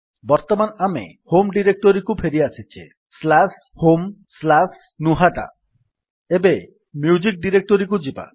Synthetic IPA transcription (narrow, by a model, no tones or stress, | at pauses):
bɔɾt̪ɔmanamḛ | homɖiɾek̚ʈɔɾikupʰeɾiasʰit͡ʃʰi | slas | homslas | nuɦaʈa̰ | ebe | mjud͡ʒik̚ɖiɾek̚ʈɔɾikud͡ʒiba̰